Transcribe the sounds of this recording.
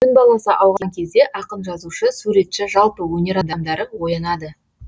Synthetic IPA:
kʰʏnbɑlˠɑsəʔɑwʁɑɑŋkʲʰe̞zd̪e̞ʔɑqəmʒɑzuʃəsuɾe̞t̪ʃɪʒɑlˠpəwɵnʲe̞ɾɑmd̪ɑmd̪ɑɾəwo̞jɑnɑd̪ə

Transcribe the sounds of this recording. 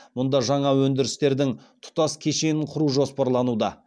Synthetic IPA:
mʊnd̪ɑʒɑɴɑwɵnd̪ɪɾɪst̪e̞ɾd̪ɪŋt̪ʰʊ̥t̪ɑskʲʰe̞ʃe̞ɪɴqʰʊɾuʒo̞spɑɾlˠɑnud̪ɑ̰

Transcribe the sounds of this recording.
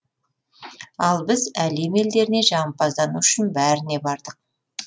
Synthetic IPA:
ɑlˠbɪzæleme̞ld̪e̞ɾɪne̞ʒɑmpɑzd̪ɑnuʏʃɪnbæɾɪne̞bɑɾd̪əq̚

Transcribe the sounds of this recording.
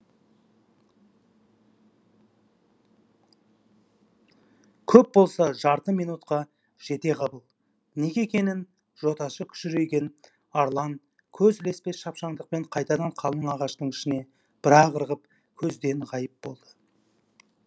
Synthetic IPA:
kʲʰɵp̚bo̞lˠsɑʒɑɾt̪əmijnut̪qɑ | ʒ̥e̞t̪e̞ʁɑbəlˠ | ne̞ɡʲekʲe̞nɪn | ʒ̥o̞t̪ɑʃəkʲʰʏ̥ʃɪɾe̞jɡʲe̞n | ɑɾlˠɑŋ | kʲʰɵzɪle̞spe̞ʃɑpʃɑɴŋd̪əq̚pe̞ɴqʰɑjt̪ɑd̪ɑɴqʰɑlˠəɴɑʁɑʃt̪əɴɪʃɪne̞ | b̥ɪɾɑʁəɾʁəp | kʲʰɵzd̪e̞nʁɑjəp̚bo̞̰lˠd̪ə̥

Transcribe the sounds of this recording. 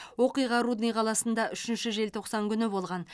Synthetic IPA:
wo̞qijʁɑɾud̪nijqʰɑlˠɑsənd̪ɑʔʏʃɪnʃɪʒe̞lt̪ʰo̞qsɑŋkʲʰʏnɪbo̞lˠʁɑn

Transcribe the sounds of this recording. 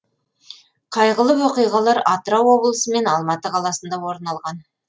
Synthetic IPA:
qʰɑjʁəlˠəwoqijʁɑlˠɑɾɑt̪əɾɑwːo̞blˠəsəme̞nɑlˠmɑt̪əqʰɑlˠɑsənd̪ɑwo̞ɾənɑlˠʁɑn

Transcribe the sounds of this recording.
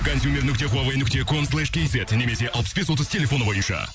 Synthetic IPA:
kʰonsjumʲe̞ɾnʏk̚t̪e̞χuavejnʏkt̪e̞kʰonslˠɛʃkʲejset̪ne̞me̞se̞ʔɑlˠpəsbe̞swo̞t̪əzt̪ʰelʲe̞fo̞əbo̞jənʃɑ̰

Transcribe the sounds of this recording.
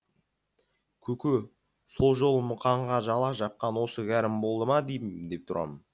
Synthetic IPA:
kʲʰɵkʲu | so̞lˠʒo̞lˠəmʊqʰɑɴʁɑʒɑlˠɑʒɑp̚qɑnwo̞səɡʲæɾɪmbo̞lˠd̪əmɑd̪ejɪd̪e̞p̚t̪ʰʊɾʔɑ̰mən

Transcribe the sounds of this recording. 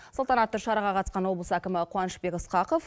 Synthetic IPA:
sʊlˠt̪ɑnɑt̪ːəɾʃɑɾɑʁɑqʰɑt̪əsqɑnwo̞blˠəsəækʲɪmɪqʰʊwɑnəʃbe̞kɪsqɑqof

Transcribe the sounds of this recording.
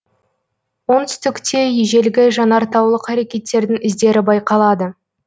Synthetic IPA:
wo̞nt̪ʏst̪ʏkt̪ʰe̞jeʒe̞lɡʲɪʒɑnɑɾt̪ɑwlˠəqʰæɾe̞kʲe̞t̪ːe̞ɾd̪ɪŋɪzd̪e̞ɾɪbɑjqɑlˠɑd̪ə

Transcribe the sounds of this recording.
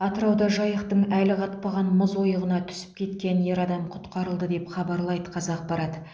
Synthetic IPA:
ɑt̪əɾɑwd̪ɑʒɑjəqt̪əɴælɪʁʰɑt̪̚pɑʁɑnməzwo̞jəʁənɑt̪ʰʏ̥sɪ̥p̚kʲʰe̞t̪kʲe̞nje̞ɾɑd̪ɑmqʰʊ̥t̪qɑɾəlˠd̪əd̪e̞pχɑbɑɾlˠɑjd̪əqʰɑzɑq̚bɑɾɑd̪

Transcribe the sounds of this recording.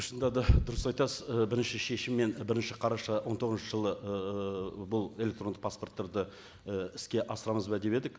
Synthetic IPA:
ʃənd̪ɑd̪ɑd̪ʊɾəsɑjt̪ɑsəzbɪɾɪnʃɪʃe̞ʃɪmːe̞nbɪɾɪnʃɪqʰɑɾɑʃɑwo̞nt̪ʰo̞ʁzʃəʒəlˠə | bʊlˠe̞lʲe̞k̚t̪ɾo̞nd̪əq̚paspo̞rt̪ːɑɾd̪ə | əɪskʲe̞ʔɑsəɾɑməzbɑd̪e̞be̞d̪ɪk

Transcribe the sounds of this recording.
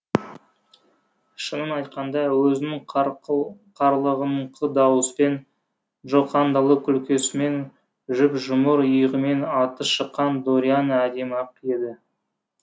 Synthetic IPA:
ʃənəmɑjt̪̚qɑnd̪ɑwɵzɪnɪŋ | qʰɑɾlˠəʁəmqʰəd̪ɑwəspe̞n | ʒoqɑnd̪ɑlˠəkʲʰʏlkʲʰe̞sɪme̞n | ʒʏpʒʊməɾʊjəʁəme̞nɑt̪əʃəqːɑnd̪oɾjanæd̪e̞mɑp̚qʰje̞d̪ɪ

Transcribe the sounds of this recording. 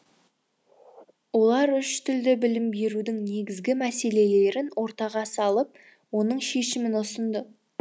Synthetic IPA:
wo̞lˠɑɾʏʃt̪ʏld̪ɪbɪlɪmbe̞ɾud̪ɪŋne̞ɡʲɪzɡʲɪmæse̞le̞le̞ɾɪnwo̞ɾt̪ɑʁɑsɑlˠəp̚ | wo̞nəɴʃe̞ʃɪmɪnʊsənd̪ə

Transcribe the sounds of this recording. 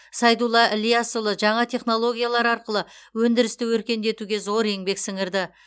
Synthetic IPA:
sɑjd̪ulˠːɑʔlʲijasolˠəʒɑɴɑt̪ʰe̞χno̞lˠo̞ɡʲijalˠɑɾɑɾqəlˠəwɵnd̪ɪɾɪst̪ɪwɵɾkʲe̞nd̪e̞t̪uɡʲe̞zo̞ɾe̞ŋbe̞ksɪŋɪɾd̪ɪ

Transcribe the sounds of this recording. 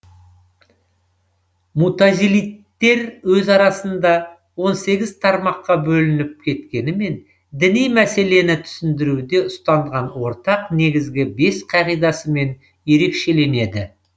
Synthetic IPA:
mut̪ɑzilijt̪ːe̞ɾwɵzɑɾɑsənd̪ɑ | wo̞nse̞ɡʲɪzt̪ʰɑɾmɑqːɑbɵlɪnɪp̚kʲʰe̞t̪kʲe̞nɪme̞n | d̪ɪnijmæse̞le̞nɪt̪ʰʏ̥sɪnd̪ɪɾud̪e̞ʊst̪ɑɴʁɑnwo̞ɾt̪ɑqne̞ɡʲɪzɡʲɪbe̞sqʰɑʁijd̪ɑsəme̞n | je̞ɾe̞kʃe̞le̞ne̞d̪ɪ

